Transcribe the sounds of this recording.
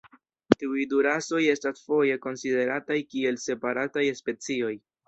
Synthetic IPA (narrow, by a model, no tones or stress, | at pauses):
tiujduɾaso̞je̞stasfo̞je̞ko̞nside̞ɾatajkie̞lse̞paɾatajspe̞t͡sio̞j